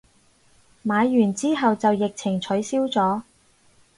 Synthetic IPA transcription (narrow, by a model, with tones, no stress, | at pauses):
maː˨˧jːyː˨˩nt͡siː˥ɦɐ˨wt͡sɐ˨wjɪ˨k̚t͡sʰɪ˨˩ŋt͡ʃʰɵ˨˥jsiː˥wt͡sɔː˨˥